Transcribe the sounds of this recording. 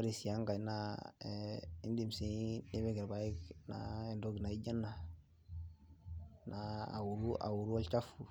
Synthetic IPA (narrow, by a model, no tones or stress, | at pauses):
aɾisiaŋɡajna | indimsinibeɡeɾbaikna̰endoɡnaiɟanːa | naa̰wuɾua̰wuɾualt͡ʃafu